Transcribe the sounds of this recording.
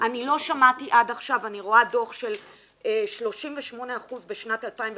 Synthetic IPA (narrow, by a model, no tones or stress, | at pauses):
ʔanilo̞ʃamatiʔadaχʃavaniʁo̞ado̞χʃe̞l | eʃlo̞ʃimveʃmo̞ne̞aχuzbeʃnatalpaimv